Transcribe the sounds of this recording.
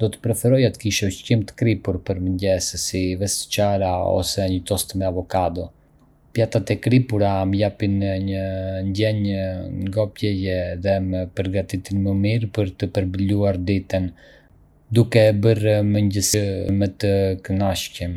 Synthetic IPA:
d̪̥ɔt̪ə̥pɾɛfɛɾɔjat̪kiʃɛcimt̪ə̥kɾipuɾpəɾməɲɟɛsəsivɛsə̥t͡ʃaɾaɔ̰sɛɲət̪ɔst̪mɛavɔkad̪ɔ | pjat̪at̪ɛkɾipuɾaməjapinɲəɲɟɛɲŋɡɔpjɛjɛðɛməpəɾɡat̪it̪inməmiɾpəɾt̪əpəɾbəluaɾd̪it̪ən | d̪ukɛbəɾməɲɟəsimət̪əkənaʃcəm

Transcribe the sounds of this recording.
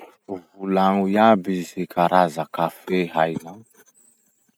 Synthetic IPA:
vulãŋujabisikʰaɾazakafeɦajnã

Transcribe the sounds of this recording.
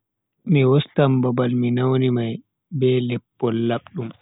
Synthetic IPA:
miwɔstambabalminawnimaj | bɛlɛpːɔlːaɓɗum

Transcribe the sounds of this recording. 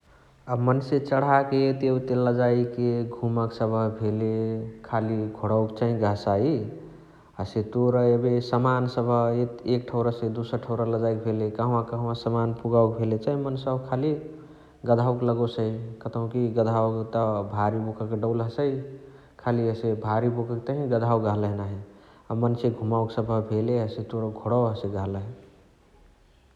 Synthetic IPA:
əmənset͡ʃəɽ̤akeet̪eut̪eləd͡ʒaikeɡʱuməksəbʱəbʱelekʰaliɡʱoɽaʊkt͡ʃaɦĩɡʱəsai | əset̪oɾəebesəmansəbʱəeek̚ʈʰəʊɾəsed̪usəɾʈʰəʊɾaləd͡ʒajk̚bʱelekaɦũãkəɦũãsəmanpuɡaukbʱelet͡ʃaɦĩmənsəbkʰali | ɡəd̪ʱawkləɡosəikət̪əũkiɡəd̪ʱawkt̪əbʱaɾibokəkeɖəʊlɦəsəi | kʰaliəsebʱaɾibokək̚t̪əɦĩɡəd̪ʱawɡʱaɦləɦnaɦe | amənt͡ʃʰeɡʱumaʊksəbʱəbʱeleəset̪oɾəɡʱoɽəwɦəseɡʱaɦləɦe

